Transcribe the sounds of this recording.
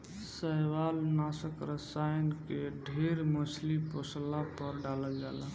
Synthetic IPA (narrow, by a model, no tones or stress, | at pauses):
səjwalnasəkɾəsajnkeɖʱeɾməsliposlapəɾɖaləd͡ʒala